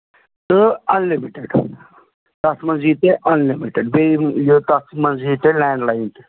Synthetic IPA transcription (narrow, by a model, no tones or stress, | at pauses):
t̪ɨɐnlimiʈeɖ | t̪ɐsmɐ̃nziːt̪eʔɐnlimiʈeɖbejot̪ɐsmɐnziːt̪elɛ̃ːɳɖlaint̪e̥